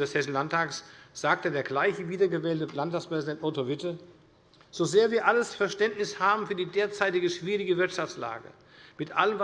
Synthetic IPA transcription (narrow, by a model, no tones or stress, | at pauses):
dɛshɛsn̩lantʰaːksz̥aːk̚tədeːɐɡlaɪçəviːdɐɡəvɛːltəlantaːkspʁ̥ɛzidɛntʔɔtovɪtə | z̥ozeːɐviːɐʔaləsfɛɐʃtɛntnɪshaːbm̩fyːɐdiːdeːɐt͡saɪtɪɡəʃv̥iːʁɪɡəvɪɐtʃaft͡sla̰ːɡə̰ | mɪtʔaləmv